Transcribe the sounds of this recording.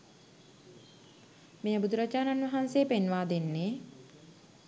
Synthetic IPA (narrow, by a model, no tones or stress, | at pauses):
mejəbud̪uɾat͡ʃaːnanʋɐɦanseːpenʋaːd̪enːeː